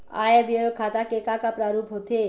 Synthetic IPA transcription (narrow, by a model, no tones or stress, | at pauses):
a̰jabjəjokʰːat̪akekakapɾaɾupɦot̪ʰe